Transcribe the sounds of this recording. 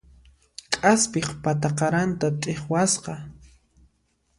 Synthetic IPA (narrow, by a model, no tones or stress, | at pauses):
kʼaspɪχpat̪aqɑɾant̪at̪ʼeχwasqɑ